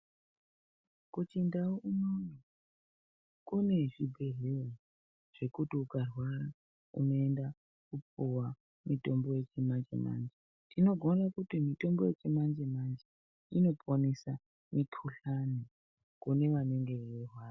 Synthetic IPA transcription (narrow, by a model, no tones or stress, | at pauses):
kut͡ʃindaounoni | kune̞ʐibʱe̞ɦeri | ʐ̥e̞kutiukarwaɾa | ṵno̞e̞nda | kupuwa | mito̞mbo̞je̞t͡ʃemand͡ʒḛma̰nd͡ʒe | tino̞ɡʱorakutimito̞mbo̞je̞t͡ʃemand͡ʒemand͡ʒe | ino̞pʰonisa | mikʰuɬani | kune̞ʋaneŋɡe̞orwaːra